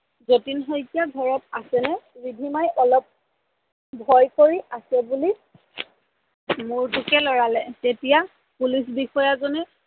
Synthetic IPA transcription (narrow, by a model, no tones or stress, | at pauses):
zotinɦɔjkjaɡʱɔɹɔp̚asɛnɛɹibʱimajʔɔlɔp̚ | bʱɔjkoɹiʔasɛbuli | mʊɹtʊkɛlɔɹalɛtetija | pulis̬bixɔjazɔnɛ